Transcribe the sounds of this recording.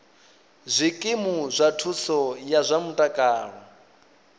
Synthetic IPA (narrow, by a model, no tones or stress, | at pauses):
zʷikʼimuzʷatʰusɔjazʷamutʼakʼaːɺɔ